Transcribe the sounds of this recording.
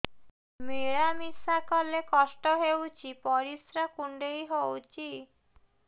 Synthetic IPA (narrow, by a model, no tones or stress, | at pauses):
miɭamisakɔlekɔsʈɔɦewt͡ʃʰipɔɾisɾakuɳɖejɦowt͡ʃʰi